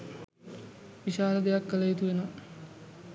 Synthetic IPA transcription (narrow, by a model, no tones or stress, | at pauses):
ʋiʃaːɾəd̪ejakːəlɐjit̪uʋeno